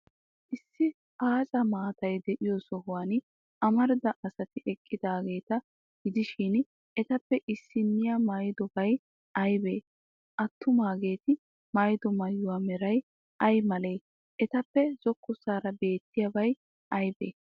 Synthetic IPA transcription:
ʔɪsːɪ | aːt͡sʼɐmaːt̪ɐjd̪ɛʔɪjɔsɔɦʊwan | ʔɐmɐɾd̪ɐʔɐsɐt̪ɪʔɛkʼːɪd̪aːɡe̞ːt̪ɐ | ɡɪd̪ɪʃɪn | ɛt̪ɐpːɛʔɪsːɪnːɪjamɐjd̪ɔbɐj | ɐjbeː | ʔɐt̪ʰːʊmaːɡe̞ːt̪ɪ | mɐjd̪ɔmɐjːʊwaːmɛɾɐj | ɐjmɐle̞ː | ʔɛt̪ɐpːɛz̥ɔkʰːʊsaːɾɐbe̞ːt̪ːɪjɐbɐj | ʔɐjbḛː

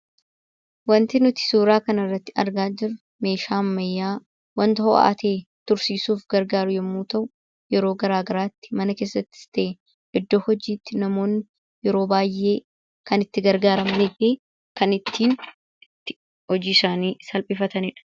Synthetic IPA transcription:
wɐnt̪ɪnʊt̪ɪ̥suːɾaːkɐnɐrːɐt̪ːɪ̥ɐ̰ɾɡaːd͡ʒɪɾʊ | me̞ːʃaːmːɐjːaː | wɐnt̪ɐho̰ʔa̰t̪eːt̪ʊɾsiːsuːfɡɐɾɡaːɾʊjɛmːuːt̪ɐʔʊ | jɛɾo̞ːɡɐɾaːɡɐɾaːt̪ːɪ̥mɐnɐke̞ːsːɐt̪ːɪ̥st̪e | ʔɪd̪ːoːhɔd͡ʒiːt̪ːɪnɐmo̞ːnːɪ | jɛɾo̞ːbaːjʔe̞ː | kɐnɪt̪ːɪɡɐɾɡaːɾɐmɐnɪt̪iː | kɐnɪt̪ʰːiːn | ɪt̪ːɪ̥ | hɔd͡ʒiːɪsaːniːsɐlpʼɪfɐt̪ɐnɪᶑɐ̥

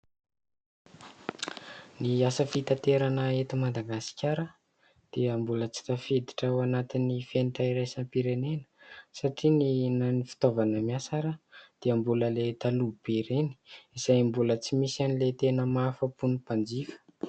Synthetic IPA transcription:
niasəfit̪at̪eɾanəet̪imad̪aɡasi̥kʲaɾə | d̪̥eambulət͡si̥t̪afed̪i̥ʈ͡ʂawanat̪inifeniʈ͡ʂaiɾajsampiɾenenə̥saʈ͡ʂininanifi̥t̪ovanəmiasaɾəd̪̥eambuləlet̪alubeɾeni̥iz̥ajmbulət͡simisanilet̪enəmafəpunipand͡zifə̥

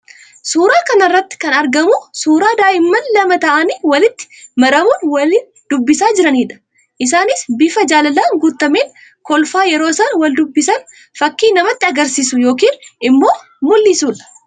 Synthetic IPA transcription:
suːɾaːkɐnɐrːɐt̪ːɪ̥kɐnɐɾɡɐmʊsuːɾaːd̪aːʔɪmːɐnlɐmɐt̪ɐʔɐniːwɐlɪt̪ːɪ̥mɐɾɐmunwɐli | d̪̥ʊbːɪsaːd͡ʒɪɾɐniːᶑɐ̥ | ʔɪs̬aːnɪsbɪfɐd͡ʒaːlɐlaːŋɡut̪ːɐmeːŋ | kɔlfaːjɛɾo̞ːsɐnwɐld̪ʊbːɪsɐn | fɐkːiːnɐmɐt̪ːɪɐɡɐɾsiːsʊjo̞ːk̬iːnʔɪmːo̞ː | mʊlːiːsuːlɐ̥

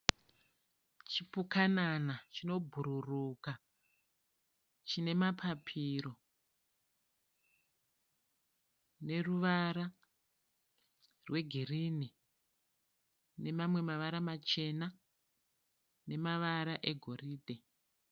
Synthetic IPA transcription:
t͡ʃipukananat͡ʃino̞bʱuɾuruka | t͡ʃine̞mapʰapʰiɾo̞ | ne̞ruʋaɾa | rwe̞ɡʱirini | ne̞mamwe̞maʋaɾamat͡ʃe̞na | ne̞maʋaɾaʔe̞ɡʱo̞riːdʱe̞

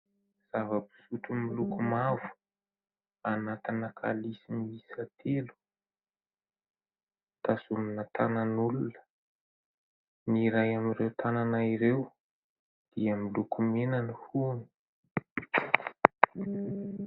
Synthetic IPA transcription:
z̥avəbi̥sut̪umilukumavu̥ | anat̪inakʰa̰lisimisat̪ʰelu̥ | t̪asuminət̪ananulunə̥ | niɾajamirewt̪ʰananaiɾew | d̪̥iəmilukumenanihuni̥

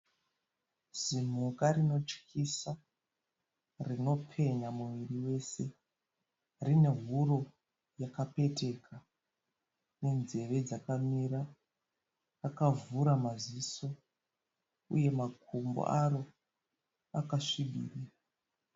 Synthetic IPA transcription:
z̥im̤ukarino̞t͡ʃkisa | rino̞pʰe̞ɲamuwiriwe̞se̞ | rine̞ɦuro̞ | jakape̞te̞kʰa | ne̞nze̞re̞d͡zakamiɾa | akavuɾamaziso̞ | ṵje̞makʰumbo̰ʔaro̞ | akaʂiɓḭːrira

